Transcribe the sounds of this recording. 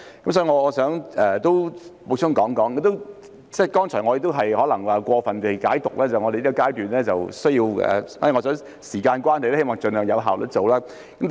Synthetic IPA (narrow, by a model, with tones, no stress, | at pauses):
kɐ˦msɔː˨˥i˧ŋɔː˨˧ɔː˨˧sœː˨˥ŋʔɛː˨t̪o˥wmo˨˧t͡sʰʊ˥˩ŋkɔː˨˥ŋkɔː˨˥ŋkɐ˨˥t̪o˥ | t͡sɛː˥˩kɔː˥ŋt͡ʃʰɔː˨˩ŋɔː˨˧e˨˧˥t̪o˥wɦɐ˨jhɔː˨˥lɐ˨˩ŋaː˨˩kʷɔː˧fɐ˨nt̪e˨˩jkaː˨˥jt̪ʊ˨k̚lɛː˥t͡sɐ˨wŋɔː˧de˨jli˥ɔ˧kaː˥jt̪yː˨nlɛː˥t͡sɐ˨wsɵ˥ji˧wɛ̰˨ɔː˨˧˥i˨˧ŋɔː˨˧sœː˨˥ŋ | siː˨˩kaː˧nkʷaː˥nhɐ˨jlɛ˥he˥jmɔː˨˩ŋt͡sɵ˧nhœː˨˩jɐ˨˧wɦaː˨wlɵ̰˨˩t͡so˨wlaː˥ | kɐ˨˦m